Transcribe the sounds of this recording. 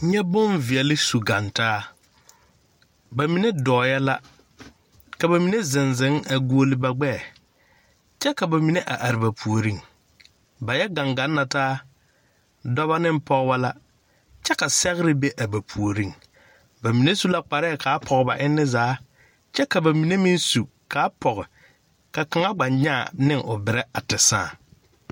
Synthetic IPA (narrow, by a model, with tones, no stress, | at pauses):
ɲɛ˦bʊ˦nvɪ˨ɛ˨lɪ˦su˨ɡa˨ntaː˦ | ba˨mi˨ne˦dɔː˨jɛ˦la˦ | ka˨ba˨mi˨ne˦zɪ˨nzɪ˨˦ŋa˨ɡu˨˦o˦lɪ˦ba˨ɡ͡bɛ˦˨ | t͡ʃɛ˦ka˨ba˨mi˨ne˦ʔa˨ʔa˨ɾɪ˨ba˨pʰu˨o˨ɾi˦ŋ | ba˨jɛ˦ɡã˨ŋɡa˨˦nːa˨taː˦ | dɔ˦βa˦nɪ˦m˦pɔ˦ɣba˦la˦ | t͡ʃɛ˦ka˨sɛ˦ɣɪ˦ɾɪ˦be˦ʔa˨ba˨pʰu˨o˨ɾi˦ŋ | ba˨mi˨ne˦su˦la˦k͡pa˨ɾɛ˦˨kʰa˨˦pʰɔ˨ɣɪ˨ba̰˨ʔɪ˦nːɪ˦zaː˨˦ | t͡ʃɛ˦ka˨ba˨mi˨ne˦mi˦nsu˨ | kʰa˨˦pʰɔ˨ɣɪ˨ | ka˨ka˨ŋa˦ɡ͡ba˨ɲɲa˦˨nɪ˦˨ŋʔʊ˨bɪ˨ɾɛ˦a˨tɪ˨sã̰ː˦˨